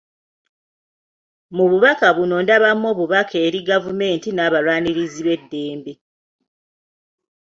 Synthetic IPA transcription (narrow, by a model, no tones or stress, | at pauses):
muβuβakaβuno̞ndaβamːo̞ːβuβakʰe̞ːɾiɡavume̞ːntinaːβalwaːniɾiziβe̞dːe̞ːmbe